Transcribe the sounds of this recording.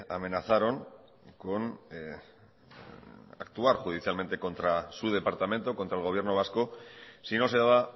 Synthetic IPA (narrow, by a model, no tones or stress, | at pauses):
a̰me̞naθaɾo̞ŋ | kon | a̰k̚t̪uaɾxuð̞iθjalment̪e̞ko̞nt̪ɾasuð̞e̞paɾt̪ame̞nt̪o̞ko̞nt̪ɾaelɣo̞β̞je̞ɾno̞β̞askosino̞se̞ðaβa